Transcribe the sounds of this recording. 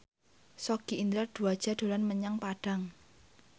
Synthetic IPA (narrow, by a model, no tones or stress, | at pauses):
sɔɡ̥iind̪ɾard̪̥ṳad̥ʒ̥a̤d̪̥o̤lanməɲaŋpaɖ̥a̤ŋ